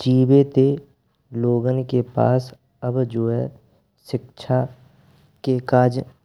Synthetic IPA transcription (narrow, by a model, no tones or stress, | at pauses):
d͡ʒiːbet̪e | loːɡənkepa̰ːs | əbd͡ʒoːɦɛ | ʃɪkʃʰa | kekaːd͡ʒ